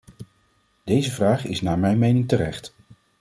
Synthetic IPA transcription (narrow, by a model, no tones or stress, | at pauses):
d̥ejzəvraːχɪsnaːɹmɛjnmejnɪŋtərɛχt